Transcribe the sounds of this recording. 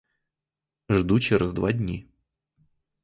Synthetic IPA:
ʐd̪ut͡ɕɪɾazd̪va̰dʲnʲi

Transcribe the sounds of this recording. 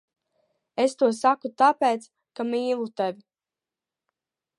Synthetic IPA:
est̪uɔsakut̪apeːt̪s | kamiːlˠut̪evʲi

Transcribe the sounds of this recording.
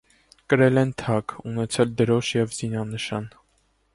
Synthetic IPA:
kəɾɛlɛnt̪ʰɑkunɛt͡sʰɛld̪əɾɔʃjɛvz̥inɑnəʃɑn

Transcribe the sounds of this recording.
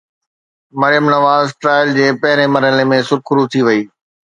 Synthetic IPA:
mɐɾɪjəmnɐʋaːzʈɾaːɪld͡ʑeːpɐɦɪɾemɐɾɦəlemẽsʊɾkʰʊɾut̪ʰiʋɐiː

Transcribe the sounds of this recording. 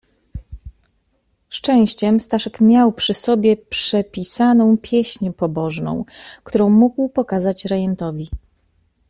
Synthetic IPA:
ʂt͡ʂɛ̃w̃ɕt͡ɕɛmst̪aʂɛkmʲjawpʂɘsɔbʲjɛpʂɛpʲisanɔ̃w̃pʲjɛɕɲɛpɔbɔʐnɔ̰̃w̃kt̪uɾɔ̃w̃muɡwpɔkazat͡ɕɾɛjɛnt̪ɔvʲi

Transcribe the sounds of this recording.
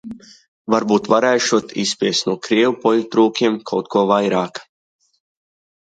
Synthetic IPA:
vaɾbuːt̪vaɾɛjʃuɔt̪ʰḭspʲiɛst̪nuɔkɾiɛwupɔʎʲut̪ɾuːkʲiɛmkʰawt̪̚kuɔvajɾaːk

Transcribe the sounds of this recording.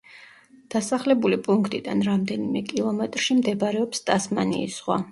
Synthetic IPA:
d̪̥asaχlɛbulipʼuŋkʰt̪ʼid̪anɾamd̪ɛnimɛkʼilˠɔmɛt̪ʼɾʃimd̪ɛbɾɛɔpst̪ʼasmanḭːsʁwa

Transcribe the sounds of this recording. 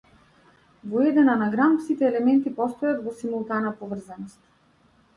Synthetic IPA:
vɔɛd̪ɛnanaɡɾampsit̪ɛːlɛmɛnt̪ipɔst̪ɔjat̪vɔsimulˠt̪anapɔvr̩zanɔst̪

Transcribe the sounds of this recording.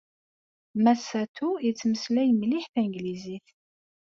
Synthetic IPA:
mæsæt̪uit͡sːməslæjmliħθiŋɡliziθ

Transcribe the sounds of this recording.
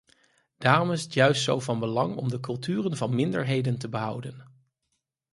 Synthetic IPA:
d̥aːrɔmɪzətjœɥstsowvɑnbəlɑŋɔ̰mdəkɵlˠtyːrənvɑnmɪndəɹɦejdəntəbəɦʌwdən

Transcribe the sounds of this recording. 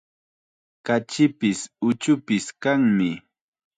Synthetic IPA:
kat͡ʃɪpɪsʊt͡ʃʊpɪskaŋmɪ

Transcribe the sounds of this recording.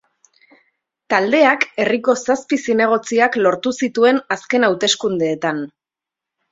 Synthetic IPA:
t̪ald̪e̞ake̞riko̞saspisine̞ɣ̞o̞t͡siaklo̞ɾt̪usit̪ue̞naske̞nawt̪e̞skund̪e̞ːt̪an

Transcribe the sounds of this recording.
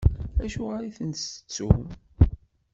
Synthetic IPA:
æʃuʁaɾiθənsə̥t͡sːu

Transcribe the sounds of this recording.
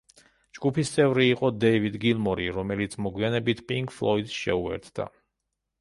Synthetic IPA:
d͡ʒɡ̥upʰist̪sʼɛvɾiːqʼɔd̪ɛivid̪ɡilˠmɔɾiɾɔmɛlit̪sʰmɔɡwianɛbit̪ʰpʼiŋɡflˠɔid̪sʃɛ̰uɛ̰ɾt̪ʰd̪̥a̰

